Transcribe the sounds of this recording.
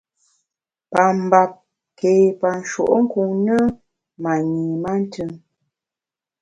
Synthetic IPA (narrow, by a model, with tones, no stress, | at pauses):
pa˨m˨ba˨p̚ | ke˨pa˨n̩˨ʃo̰˨ʔŋ̩˦ku˨ŋnə˦ | ma˨ɲi˨ma˦n˦tʰɨ˦ŋ